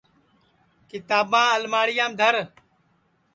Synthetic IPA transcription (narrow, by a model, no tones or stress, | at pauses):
kɪt̪aːbãːəlmaːɽɪjãːmd̪ʱəɾ